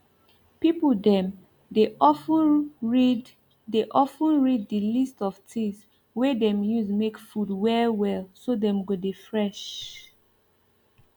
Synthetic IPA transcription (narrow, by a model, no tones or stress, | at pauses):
pipdɛ̃m | deɔfɹid | deʔɔfə̃nɹid̚dəlistɔv̥tĩŋs | wɛdɛ̃mjuzmekfudwɛlwɛlsodɛ̃mɡodefɹɛʃ